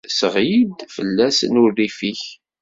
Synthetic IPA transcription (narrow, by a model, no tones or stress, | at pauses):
səʁjid̪fə̰lːæsənʊrifiç